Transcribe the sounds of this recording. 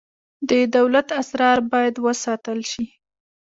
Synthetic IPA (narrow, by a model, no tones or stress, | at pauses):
d̪əd̪awlat̪asɾɑɾbɑjad̪wəsɑt̪əlʃi